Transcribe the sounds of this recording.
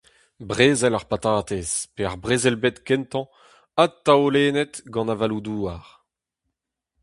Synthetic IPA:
bʁeːzɛlaʁpat̪aːt̪ezpeaʁbʁeːzɛlbet̪kɛnt̪ɑ̃ | ad̚t̪ːaoleːnɛt̪ɡɑ̃navalud̪uːaʁ

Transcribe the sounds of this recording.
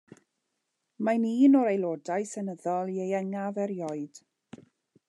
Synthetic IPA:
maniːnɔɾejlˠoːdajsɛnəðɔlˠiejɛŋavɛɾjɔɨd̥

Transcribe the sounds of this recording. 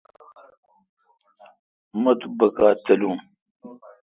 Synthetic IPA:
mɐt̪ubəkatəluŋ

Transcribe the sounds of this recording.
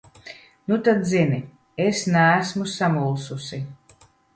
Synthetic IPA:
nut̪ad̪zini | esnæːsmusamulˠsusi

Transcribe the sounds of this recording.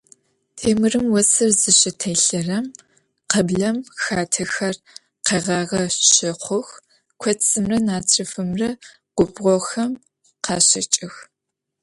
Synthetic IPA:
tʰeːmɨrɨmwɔsɨrzɨɕɪtʰɐjɬɐrɐm | qɐbɮɐmxaːtʰɐxɐr | qeʁɑːʁɐɕɪqʷʊx | kʷʰɐt͡sʼɨmrɐnaːt͡sʰrɨfɨmrɐ | qʷʊbʁʷɔxɐm | qʰɑːɕɪt͡ʃʼɪx

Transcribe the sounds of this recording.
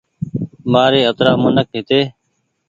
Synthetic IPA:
maːɾeːət̪ɾaːmʊnəkɦɪt̪eː

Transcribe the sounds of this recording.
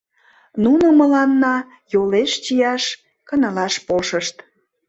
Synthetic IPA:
nunoməlɑnːɑ | joleʃt͡ɕijɑʃ | kənəlɑʃpolʃəʃt̪

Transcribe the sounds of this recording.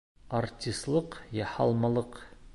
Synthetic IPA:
art̪ʲːist̪lˠɤqjɑhɑ̰lˠmɑlˠɤq

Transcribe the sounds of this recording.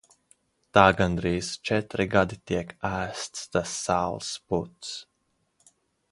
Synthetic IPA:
t̪aːɡand̪ɾiːzt͡ʃɛt̪ɾiɡad̪it̪iɛkæːst̪st̪asːaːlˠsput̪s

